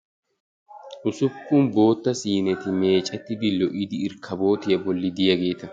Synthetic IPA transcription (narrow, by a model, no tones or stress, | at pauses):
ʔʊsʊbkːʊnbo̞ːt̪ːɐsiːnɛt̪ɪme̞ːt͡ʃʼɐt̪ːɪbɪlːɔʔɪd̪ɪɪɾkʰɐbo̞ːt̪ɪjɐbɔlːɪd̪ɪjɐɡe̞ːt̪ɐ